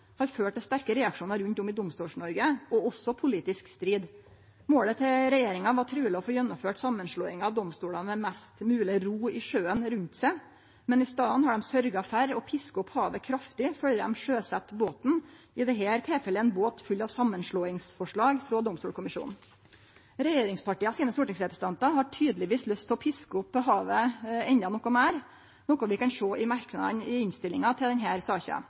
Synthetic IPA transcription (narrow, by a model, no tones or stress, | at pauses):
hɑɾføːʈəst̪æɾkəɾɛɑkʂuːnɑɾʉnt̪ʊmɪd̪ʊmst̪uːlʂɳɔɾɡəɔɔsɔpʰʊliːt̪ɪskst̪ɾiːd̪ | moːlət̪ʰɛɾɛjeːɾɪŋɑʋɑʈʰɾʉːlɪɔfoːjɛnːʊmføːʈsɑmːənʂɭoːɪŋɑʋd̪ɔmst̪uːɭɑnmɛmɛst̪mʉːlɪɾuːɪʂøːənɾʉnt̪sæɪ | mɛnɪst̪ɑːənhɑɖɛmsœɾɡɑfæɾɔpʰɪskəɔphɑːʋəkʰɾɑft̪ɪfœlːədɛ̰mʂøːsɛt̪boːt̪n̩ | ɪd̪ɛɦæːɾt̪ʰɛːfɛlːəɛnboːt̪fʉlːɑʋsɑmːənʂɭoːɪŋsfɔʂɭɑːɡfɾoːd̪ɔmst̪uːlkʰʊmɪʃʂṵːnn̩ | ɾɛjeːɾɪŋspʰɑʈiːɑsiːnəst̪ʊːʈɪŋsɾɛpɾəsə̥n̩ɑnt̪ɑhɑʈʰyːd̪əlɪʋiːslœst̪ʰlɔpʰɪskəʊpːɦɑːʋəɛnd̪ɑnɔkːɔmæːɾ | nɔkɔʋɪkɑnʂoːʔɪmɑɾknɑ̰d̪nɪɪnst̪ɪlɪŋɑt̪ʰɪld̪ɛnɦæːɾsɑːçə̰